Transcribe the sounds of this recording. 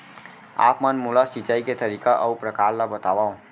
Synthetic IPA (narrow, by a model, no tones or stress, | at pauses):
a̰pmənmulasit͡ʃaiket̪əɾikaʔəupɾəkaɾlabət̪abaũ